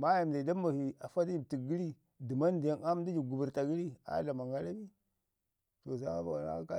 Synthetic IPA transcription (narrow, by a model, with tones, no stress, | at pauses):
ma˦ja˨m˨da˨da˦ma˨hi˨a˨fa˦ti˦d͡ʒi˨bti˨ɡi˦li˦ | di˨ma˦n˦di˨ja˦ŋa˦m˦di˦d͡ʒi˨ɡu˨bu˨ɾta˨ɡi˦li˦a̰˦da˨ma˨ŋɡa˦la˦bi˦ | to˨za˦a˦ba̰˨wa˨na̰˦ka˦